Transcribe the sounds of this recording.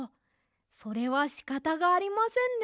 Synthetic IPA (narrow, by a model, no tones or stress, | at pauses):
so̞ɾe̞βaɕi̥kat̪aɡaːɾʲimasẽ̞nd̪